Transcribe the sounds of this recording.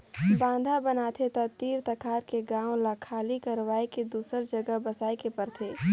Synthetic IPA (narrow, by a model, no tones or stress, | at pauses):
bãːnd̪ʱabənaːt̪ʰet̪ɐt̪iːɾt̪ɐkʰaːɾkeɡãːõlakʰaːlikɐɾʋaːeked̪uːsəɾd͡ʒəɡəbɐsaːekepəɾt̪ʰeː